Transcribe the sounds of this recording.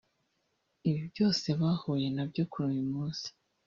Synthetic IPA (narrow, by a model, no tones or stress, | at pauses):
iβibjo̞ːse̞βaːhuje̞nabɟo̞kuɾumimuːz̥i̥